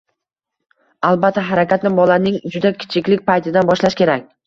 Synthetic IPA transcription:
alˠbat̪ʰːaɦaɾakʲat̪nɪbɒlanɪŋd͡ʒʊd̪akʲʰɪ̥t͡ʃʰɪkʲlɪkʲpajt̪ʰɪd̪anbɒʃlaʃkʲe̞ɾakʲ

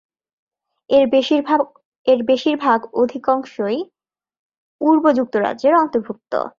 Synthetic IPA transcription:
eɾbeʃiɾbʱaɡod̪ʱikɔŋʃoj | uɾbod͡ʑuk̚t̪oɾa̰dʑeɾɔnt̪oɾbʱuk̚t̪o̰

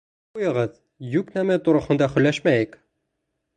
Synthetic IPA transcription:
ujɤ̆ʁɤð | jʉknæmæt̪ŏɾɤ̆χɤ̆nd̪ɑχɵ̆lːæʃmæjɘk

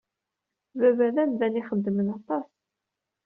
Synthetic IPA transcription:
vævæðænðæniχəd̪ːəmənɑt̪ˤɑs

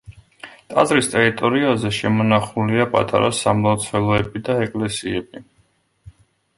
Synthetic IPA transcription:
t̪ʼazɾist̪ʼɛɾit̪ʼɔɾiazɛʃɛmɔnaχuliapʼa̰t̪ʼa̰ɾasːamlˠat̪sʰvɛlˠɔɛbid̪aɛkʼlɛsiɛbi

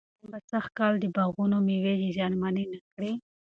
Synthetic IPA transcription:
umbasaxkɑld̪əbaɣunomiwed͡ʒezɑnmaninakɽi

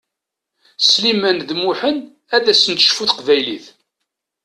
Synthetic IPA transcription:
slimænðmʊħən | æðæsənt̪ə̥ʃfuθqvæjliθ

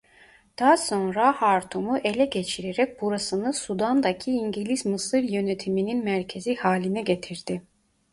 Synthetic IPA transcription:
d̪̥ɑɦaso̞nɾahaɾt̪ʰumuʔe̞lʲɛɟe̞t͡ʃʰiɾeɾɛc̚buɾasɯnɯsud̪and̪acʰiiɲɟilʲismɯsɯɾjø̞net̪ʰimininmæɾcʰe̞zihaːlʲinɛɟet̪ʰiɾd̪̥i

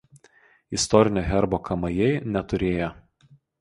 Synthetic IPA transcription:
ɪst̪ɔɾʲɪnʲoːɦʲɛɾboːkʰɐmɐjɛɪnʲɛt̪ʊɾʲeːjo

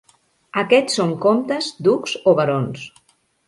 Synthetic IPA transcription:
əkɛsːoŋkomt̪əzd̪ukzoβəɾons

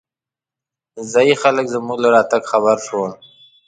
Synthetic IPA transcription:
zɑjixaləkzəmuɡlaɾɑt̪aɡxaβaɾʃon

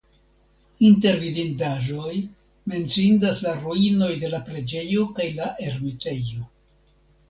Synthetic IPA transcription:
inte̞ɾvidindaʒo̞j | me̞nt͡sindaslaɾuino̞jde̞lapɾe̞d͡ʒe̞jo̞kajlaʔe̞ɾmite̞jo̞

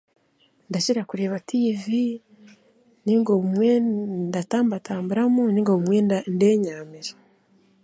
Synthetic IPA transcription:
ndaciɾakuɾe̞ːβatʰivi | niŋɡo̞βumwe̞ndataːmbataːmbuɾamuniŋɡoβumwe̞nde̞ːɲaːmiɾe

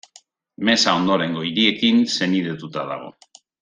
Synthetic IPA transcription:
me̞sao̞nd̪o̞ɾe̞ŋɡo̞iɾie̞kinse̞niðet̪ut̪aða̰ɣ̞o̞̰

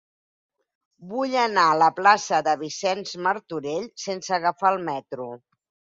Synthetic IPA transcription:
buʎənaələplasəðəβ̞isɛnzməɾt̪uɾeʎsensəɣəfaəlˠmɛt̪ɾu

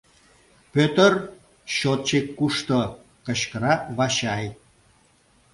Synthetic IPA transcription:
pøt̪ər | ɕot̪̚t͡ɕekːuʃt̪o | kə̆ɕkəɾɑβɑɕɑj

